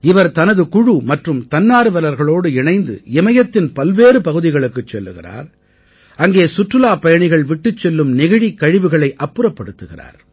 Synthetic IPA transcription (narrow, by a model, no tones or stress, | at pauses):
ɪʋɐɾt̪ɐnɐðɯkʊɻumɐʈrɯmt̪ɐnːaːɾɯʋɐlɐɾɣɐɭoːɽɯɪɳɐɪnd̪ɯ̰ɛmɐjɐt̪ːɪnpɐlʋeːɾɯpɐɣɯðɪɣɐɭɯkːɯt͡ʃːɛlːɯɣɪ̰ra̰ːɾ | ɐŋɡeːsʊʈrɯlaːpɐjɐɳɪɣɐɭʋɪʈːɯt͡ʃːɛlːɯmnɪɣɪɻikːɐɻɪʋɯɣɐɭɐɪʔɐpːɯɾɐpːɐɽɯt̪ːɯɣɪra̰ːɾ